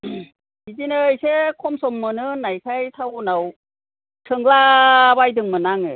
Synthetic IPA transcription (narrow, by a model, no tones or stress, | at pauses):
idinɯjsekʰɔmsɔmːɯnɯnajkʰajtʰawnaw | tʰɯŋlabajdɯŋmɯnaŋɯ